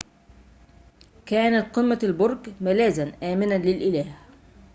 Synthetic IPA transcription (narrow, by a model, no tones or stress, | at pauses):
kaːnat̪̚qɨmːaalbʊɾˤɡmalaːzanʔaːmɪnanlɪlʔɪlaːh